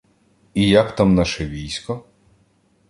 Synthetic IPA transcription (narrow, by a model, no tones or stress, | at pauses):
ijɐkt̪amnaʃɛʋʲijsʲkɔ